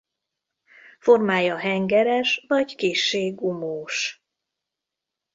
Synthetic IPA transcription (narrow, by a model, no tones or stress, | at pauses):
fo̞rmaːjɒɦɛŋɡɛɾɛʃvɒɟkeːʃːeːɡumoːʃ